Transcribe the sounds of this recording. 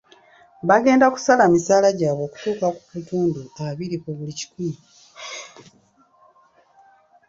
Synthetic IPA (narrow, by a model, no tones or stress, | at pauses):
βaɡe̞ːndaku̥salamisaːlaɟaːβo̞ːku̥tuːkaku̥kutuːnduaβiɾikuβulici̥ku